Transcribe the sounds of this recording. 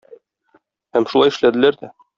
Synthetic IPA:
hæmʃulɑjɘ̆ʃlæd̪ɘ̆læɾd̪æ

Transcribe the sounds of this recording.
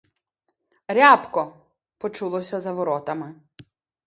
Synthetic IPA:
ɾʲapkɔ | pɔt͡ʃulˠɔsʲɐzɐʋɔɾɔt̪ɐmɪ

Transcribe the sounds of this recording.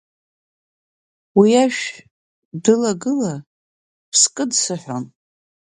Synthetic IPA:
wiaʃᶣ | dɨlaɡɨla | pʰskʼɨdsɨħʷon

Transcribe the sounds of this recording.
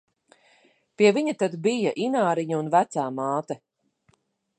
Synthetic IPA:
piɛviɲat̪ad̪bijaʔinaːɾiɲuunvæt̪saːmaːt̪ɛ

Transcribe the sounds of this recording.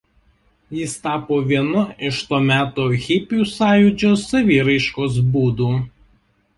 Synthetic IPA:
jɪst̪ɑːpoːʋʲiɛnʊɪʃt̪oːmʲæːt̪oːɣʲɪpʲjuːsɑːjʊd͡ʒʲoːsːɐʋʲiːɾɐɪʃkoːs̬buːd̪uː

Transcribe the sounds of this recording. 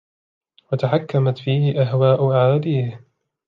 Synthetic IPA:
wat̪aħakːamat̪fiːhɪʔaɦwaːʔʊʔaʕaad̪iːh

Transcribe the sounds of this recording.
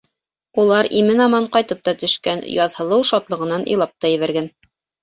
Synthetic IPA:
ulˠɑɾimɘnɑmɑɴqɑjt̪ɤp̚t̪ɑt̪ɵ̆ʃkænjɑðhɤ̆lˠɤwʃɑt̪lˠɤ̆ʁɤ̆nɑnʔɤ̰jlˠɑp̚t̪ɑjɘ̆βæɾɡæn

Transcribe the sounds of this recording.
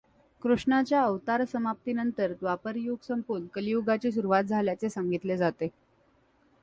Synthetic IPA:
kɾuʂɳat͡ɕjaəʋt̪aɾsəmap̚t̪inənt̪əɾd̪ʋapəɾjoɡsəmpunkəlijuɡat͡ɕiːs̬uɾuʋat̪̚d͡zʱaljat͡sesaŋɡit̪led͡zat̪e

